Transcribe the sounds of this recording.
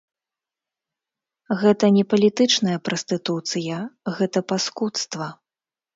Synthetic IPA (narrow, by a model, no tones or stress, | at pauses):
ɣɛt̪ɐnʲɛpɐlʲit̪ɨt͡ʂnɐjɐpɾɐsʲt̪ɨt̪ut̪sɨjɐɣɛt̪ɐpaskut̪st̪vɐ